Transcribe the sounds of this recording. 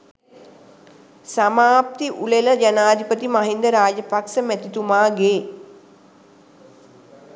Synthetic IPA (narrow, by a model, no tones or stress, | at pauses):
samaːp̚t̪iʔuleləd͡ʒanaːd̪ipət̪imaɦind̪əɾaːd͡ʒəpaksəmæt̪it̪umaːɡeː